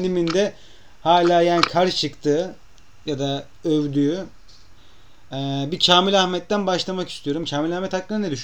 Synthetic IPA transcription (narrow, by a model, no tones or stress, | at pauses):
d̪imind̪ɛ | haːlʲaːjaːnikʰaɾt͡ʃʰɯkt̪ʰɯː | jad̪a | øvd̪yjy | ɛbicʰaːmilʲahmɛt̪ːænbaʃlˠamaki̥st̪ʰijo̞ɾumcʰaːmilʲahmɛt̪haklːˠɯnaned̪yʃ